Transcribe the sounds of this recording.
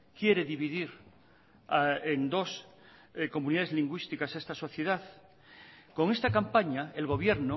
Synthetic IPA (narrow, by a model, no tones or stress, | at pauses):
kje̞ɾe̞ðiβiðiɾ | aend̪o̞s | ko̞muniðaðezliŋɡwist̪ikasest̪aso̞θjeð̞aθ | ko̞ŋe̞st̪akampaɲaelɣ̞o̞β̞je̞ɾno